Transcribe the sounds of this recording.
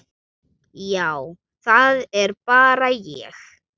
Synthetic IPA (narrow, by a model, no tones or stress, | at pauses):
jaw | θaðeɾpaɾajḭx